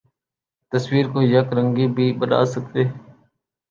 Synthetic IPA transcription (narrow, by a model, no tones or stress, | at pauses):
t̪əswiːɾkoːjəkɾə̃ŋɡiːbʱiːbəna̰ːsək̚t̪eː